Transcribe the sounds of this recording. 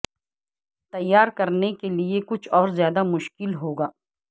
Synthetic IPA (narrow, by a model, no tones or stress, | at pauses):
t̪ɐjːaːɾkɐɾnekeliekʊt͡ʃʰɔːɾzjaːd̪amʊʃkɪlɦoːɡaː